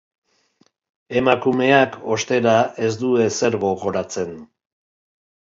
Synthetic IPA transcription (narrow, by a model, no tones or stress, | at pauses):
e̞makume̞akʰo̞st̪e̞ɾae̞zd̪ue̞se̞ɾɣo̞ɣo̞ɾat͡se̞n